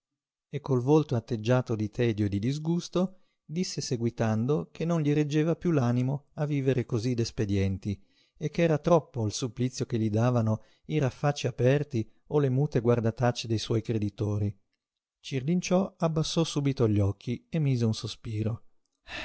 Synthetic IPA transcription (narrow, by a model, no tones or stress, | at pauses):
ekːolvolt̪oat̪ːed͡ʒːaːt̪od̪it̪ʰɛːd̪joed̪id̪izɡust̪o | d̪isːeseɡwit̪and̪okʰenːonʎiɾed͡ʒːeːvapjulaːnimoavːiːveɾekozid̪esped̪jɛnt̪i | ekːɛːɾat̪ɾɔpːoilsuplit̪sːjokeʎːid̪aːvano | iɾafːat͡ʃːiapɛrt̪i | olemuːt̪eɡward̪at̪at͡ʃːed̪ejswɔjkɾed̪it̪oːɾi | t͡ʃirlint͡ʃɔabːasːɔsuːbit̪oʎːɔkʰːiemːiːzeunsospiːɾo